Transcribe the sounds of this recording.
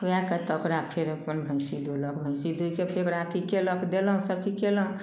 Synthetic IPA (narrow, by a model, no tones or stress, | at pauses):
jakət̪okɾapʰeɾəpənbʱə̃ɪsid̪ʱolɔkbʱə̃ɪ̃sid̪ujkepʰekɾat̪ʰikelɔkd̪eləɦũsəb̚t͡ʃikeləɦũ